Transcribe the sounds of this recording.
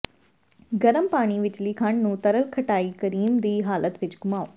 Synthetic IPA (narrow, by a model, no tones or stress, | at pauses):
ɡɐɾəmpaːɽ̃iʋɪt͡ʃlikʰaɳnũːt̪ɐɾəlkʰɐʈaːikɐɾiːnd̪iːɦaːlət̪ʋɪt͡ʃɡʊmaːoː